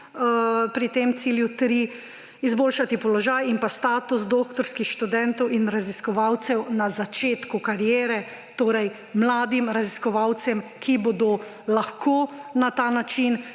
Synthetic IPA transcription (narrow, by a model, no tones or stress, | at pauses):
pɾit̪emt̪siːljut̪ɾi | izboːlʃat̪ipɔlɔʒaːjimpast̪aːt̪us̬d̪oːkt̪ɔɾskixʃt̪ud̪ɛnt̪ɔwinɾaziskɔʋawt̪sɛwnazat͡ʃeːt̪kukaɾjeːɾɛ | t̪oːɾɛj | mlaːd̪imɾaziskɔʋawt̪sɛmkʰibɔd̪o | laxkonat̪aːnat͡ʃin